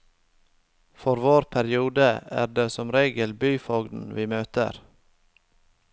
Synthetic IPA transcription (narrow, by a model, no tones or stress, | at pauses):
fɔɾʋoːɾpʰæɾɪuːd̪əæ̰ːɖeːsɔmɾeːɡəlbyːfɔːɡd̪n̩ʋiːmøːt̪ə̰ɾ